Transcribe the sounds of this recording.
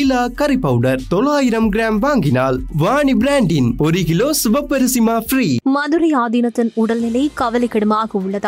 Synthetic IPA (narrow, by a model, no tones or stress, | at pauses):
ɪlaːkɐɾɪpːɐʊɽɐɾt̪ɔlːaːjɪɾɐmɡɪɾaːmʋaːŋɡɪnaːlʋaːɳibɾaːɳɖɪnɔɾɪɣɪloːsʊʋɐpːɐɾɪsɪmaːfɾiːmɐðɯɾɐɪjaːðinɐt̪ːɪnʊɽɐlnɪlɐɪkɐʋɐlɐɪkːɐɽɯmaːɣɐʊɭːɐða